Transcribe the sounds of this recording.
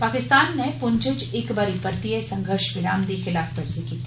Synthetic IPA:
paːkɪst̪aːnːepʊɲt͡ʃəd͡ʒɪkbɐɾipəɾt̪iesɐ̃ŋɡʱəɾʃʋɪɾaːmd̪ixɪlaːfpɐɾziki

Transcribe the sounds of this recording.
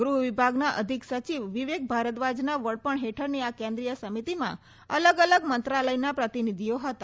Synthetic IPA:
ɡɾuɦʋibʱaɡnaʔəd̪ʱiksət͡ʃiʋʋiʋek̚bʱaɾət̪ʋad͡ʒnaʋəɽpəɳɦeʈʰəɾniakẽnd̪ɾijəsəmit̪imã̰ | ələɡələɡmənt̪ɾaləjnapɾət̪inid̪ʱioɦət̪a

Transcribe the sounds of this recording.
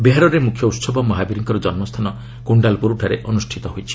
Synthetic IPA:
beɦaɾɔɾemukʰjɔut̪sɔbɔmɔɦabiɾiŋkɔɾɔd͡ʒɔnmɔst̪ʰanɔ | kuɳɖalpuɾuʈʰaɾeʔɔnusʈʰit̪ɔɦojt͡ʃʰi̥

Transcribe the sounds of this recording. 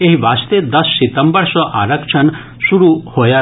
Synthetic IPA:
eɦiʋaːst̪ed̪ɐsːit̪əmbəɾsɔʔaɾəkʃʰən | suɾuhoja

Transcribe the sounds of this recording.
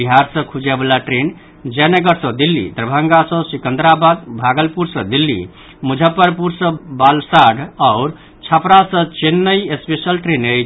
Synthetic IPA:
biɦaɾsə̃kʰud͡ʒɛbəlaʈɾen | d͡ʒɛnəɡəɾsə̃d̪ilːḭd̪ɾəbʱəŋɡasə̃sikənd̪ɾabad̪̚bʱaɡəlpuɾsə̃d̪ilːḭ | mud͡ʒʱəpːəɾpuɾsə̃balsaɖʱaʊɾ | t͡ʃʰapɾasə̃t͡ʃenːəjespesəlʈɾenəjt͡ʃʰ

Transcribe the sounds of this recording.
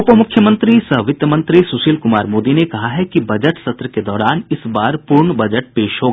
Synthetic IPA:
ʊpəmʊkʰːjəmə̃nt̪ɾisɐɦʋɪt̪jmə̃nt̪ɾisʊʃiːlkʊmaːɾmoːd̪inekɐɦaɦɛkibɐd͡ʒəʈsɐt̪ɾəked̪ɔːɾaːnɪsbaːɾpʊɾɳbɐd͡ʒəʈ̚peːʃɦoːɡa

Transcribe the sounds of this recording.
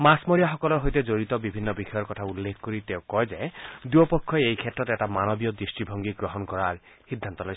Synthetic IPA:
masmoɾiaɦɔkɔlɔɾɦojt̪ed͡ʒoɾit̪ɔbibʱinːɔbixɔjɔɾkɔt̪ʰaulːekʰɔkoɾit̪ewkɔjd͡ʒajd̪uɔpɔkʰːɔeejkʰet̪ːɾɔt̪ɛtamanɔbijɔd̪ɾisʈibʱɔŋɡiɡɾɔɦɔnkɔɾaɹ | hid̪ʱːant̪ɔlɔj

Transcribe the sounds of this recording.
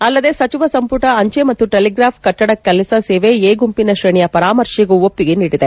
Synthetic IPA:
ɐlːɐd̪e̞sɐt͡ʃiʋɐsɐmpuʈɐɐɲt͡ʃemɐt̪ːuʈelɛːɡɾaːpʰkɐʈːɐɽɐkːɐlːisɐseːʋeeːɡumpinɐʃɾeɳijɐpɐɾaːmɐɾʂiɡuopːiɡeniːɽid̪e

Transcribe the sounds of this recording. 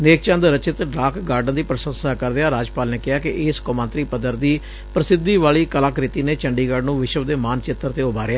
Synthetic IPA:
neːk̚t͡ʃə̃nd̪ɾət͡ʃɪt̪ɖaːkɡaːɾɖənd̪iːpɾəsə̃nsaːkəɾd̪eaːɾaːd͡ʒpaːlneːkɪɦaːkɪɪskomə̃nt̪ɾiːpəd̪əɾd̪iː | pɾəsɪd̪iːʋaːɭiːkəlaːkɾɪt̪iːneːt͡ʃəɳɖiːɡaːɾɖnũːʋɪʃəʋd̪eːmaːnt͡ʃɪt̪ːəɾt̪eːʊbaːɾɪjaː

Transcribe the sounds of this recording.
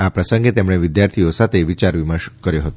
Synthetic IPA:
apɾəsəŋɡet̪emɽ̃eʋid̪jaɾt̪ʰiosat̪ʰeʋit͡ɕaɾʋiməʃkəɾjoɦət̪o

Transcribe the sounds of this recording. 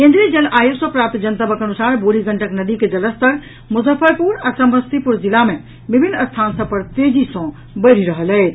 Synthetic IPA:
kẽnd̪ɾiəd͡ʒɐlʔaːjusəpɾaːp̚t̪d͡ʒɐnt̪abəkɐnusaːɾboɾiɡəɳʈəknɐd̪iked͡ʒɐləst̪əɾ | mʊzəfʰəɾpuɾaːsɐmbʱəst̪ipuɾd͡ʒɪlamẽ | bibʱinːɐst̪ʰaːnsɐ̃pəɾt̪eːd͡ʒisɔ̃ | bəɾ̤iɾəɦələe

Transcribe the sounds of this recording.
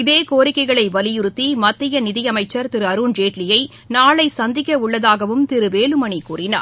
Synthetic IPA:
ɪðeːkoːɾɪkːɐɪɣɐɭɐɪʋɐlɪjɪɾɯt̪ːimɐt̪ːɪjɐnɪðɪjɐmɐɪt͡ʃːɐɾt̪ɪɾɯɐɾuːɳd͡ʒeːʈlɪjɐɪ | naːɭɐɪsɐnd̪ɪkʲːɐʊɭːɐðaːɣɐʋɯmt̪ɪɾɯʋeːlɯmɐɳikuːrɪna̰ɾ

